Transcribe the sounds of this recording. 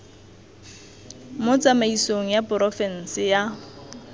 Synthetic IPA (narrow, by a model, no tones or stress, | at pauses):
mot͡samaisoŋ̩japʊrɔfɛn̩sɪja